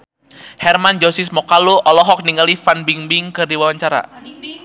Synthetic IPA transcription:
hɛrmand͡ʒosismɔkaluʔɔlɔɦɔk̚niŋɡalifanbiŋbiŋkərdiwawaɲt͡ʃaɾa̰

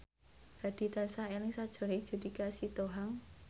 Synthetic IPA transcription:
d̥a̤d̥i̤t̪ansaelɪŋsad̥ʒ̥ɾɔ̤ni̥ʒ̥ṳdikasit̪oɦaŋ

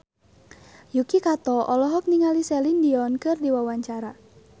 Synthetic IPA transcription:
jukikat̪ɔʔɔlɔɦɔk̚niŋalisɛlindiɔnkɨrdiwawaɲt͡ʃaɾa

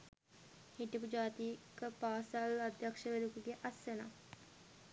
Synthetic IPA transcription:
hiʈipud͡ʒaːt̪ikəpaːsalad̪ʱjakʂəʋeɾukuɡeʔasena̰

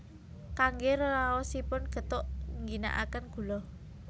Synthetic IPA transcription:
kaŋɡeɾoɾawɔsipʊnɡ̥ə̤t̪ʊʔŋɡina̰ʔa̰kənɡ̥ṳlɔ

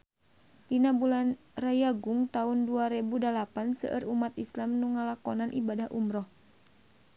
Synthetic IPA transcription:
dinabulan | rajaɡuŋt̪aunduaɾɛbudalapansə̰ʔə̰ɾumat̪islamnuŋalakɔnanʔibadahʔṵmɾɔh

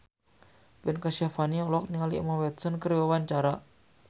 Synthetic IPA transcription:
pɛnkasafaniɔlɔk̚niŋalimawɛt̪sənkəɾiwawaɲt͡ʃaɾa

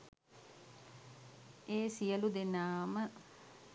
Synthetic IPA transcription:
eːsijəlud̪enaːmə

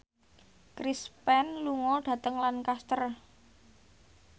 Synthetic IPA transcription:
kɾispɛnluŋɔɖ̥ä̤t̪əŋlankast̪ər

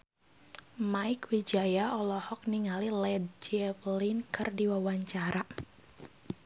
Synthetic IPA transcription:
maikwid͡ʒajaɔlɔhɔk̚niŋalilɛd̚d͡ʒɛflinkɨrdiwawaɲt͡ʃaɾa

